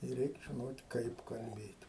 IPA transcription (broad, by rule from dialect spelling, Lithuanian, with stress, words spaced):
ɪr ˈrʲɛɪk ʒʲɪˈnoːtʲ ˈkɐɪp kɐlʲˈbʲeːtʲ